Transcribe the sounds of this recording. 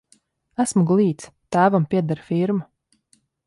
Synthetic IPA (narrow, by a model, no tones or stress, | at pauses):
æsmuɡlˠiːt̪st̪æːvampʲiɛd̪aɾfiɾmu